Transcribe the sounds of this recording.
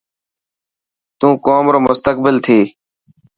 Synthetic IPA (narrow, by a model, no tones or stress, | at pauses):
t̪ũːkoːmɾoːmʊst̪ək̚bɪlt̪ʰeː